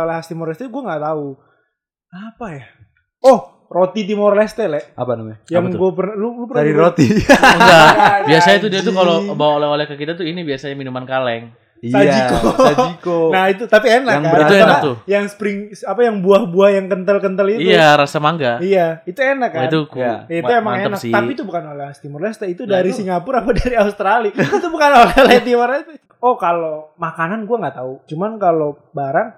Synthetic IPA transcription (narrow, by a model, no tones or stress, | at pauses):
laɦast̪imɔrlɛst̪eɡuaŋɡaʔt̪au | apaja | ɔh | rot̪it̪̬imorlɛst̪ɛlɛʔa̰panamjaŋɡuapərnalulupəaɾiɾot̪iabiasaɲat̪udiat̪ukalobawolɛolɛhkakit̪at̪uinibiasaɲaminumankalɛŋ | it̪ad͡ʒikoikonahit̪ut̪apienakaŋbəɾt̪anat̪ujaŋsə̥pɾɪŋsapajaŋbuahbuahjaŋkənt̪əlkənt̪əlitiuaɾasamaŋɡaijait̪uenakːat̪ukjaiuemaŋenakt̪apit̪ubukanolɛhast̪imɔrlɛst̪ait̪udaɾisiŋɡapʊɾapadaɾiaust̪ɾalit̪ubukanolɛlet̪imʊrlɛst̪a | okalomakananɡuaŋɡaʔt̪aut͡ʃumankalo | baɾaŋ